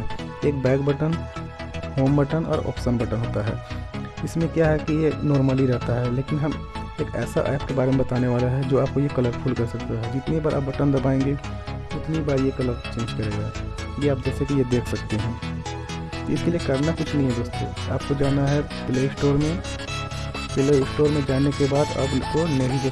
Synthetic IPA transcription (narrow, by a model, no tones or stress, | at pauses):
eːk̚bɛːkbəʈən | hoːmbəʈənɔ̰ːɾɔ̰ːpsənbəʈənɦoːt̪aɦɛ̰ːɪsmẽkjaɦɛkijenɔːɾməliɾɛɦt̪aɦɛleːkɪnɦɐmeːkɛ̰ːsa̰ʔa̰ːpkebaːɾemẽbɐt̪aːneʋaːlaɦɛd͡ʒoːaːp̚kojekɐləɾpʰuːlkɐɾsɐk̚t̪aɦɛd͡ʒɪt̪nibaːɾʔa̰ːp̚bɐʈənd̪ɐbaːẽːŋɡe | ʊt̪nibaːɾjekɐləɾt͡ʃẽːnd͡ʒkɐɾeːɡa | jeaːp̚d͡ʒɛːsekijed̪eːkʰsɐkt̪eɦɛ̃ | t̪oɪskelijekɐɾnakʊt͡ʃʰnəɦĩɦɛd̪oːst̪o̰a̰ːp̚kod͡ʒaːnaɦɛ | pɪleɪsʈoːɾmẽ | pɪleɪsʈoːɾmẽd͡ʒaːnekebaːd̪ɐ̰bkonɐɦi